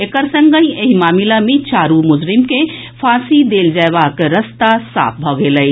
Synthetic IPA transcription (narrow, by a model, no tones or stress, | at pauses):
ekəɾsə̃ŋɡəĩeɦimaːmilamẽt͡ʃaɾumʊd͡ʒɾimke | pʰasid̪eld͡ʒaebakɾəst̪asa̰ːp̚ʰbʱɔɡeləɪ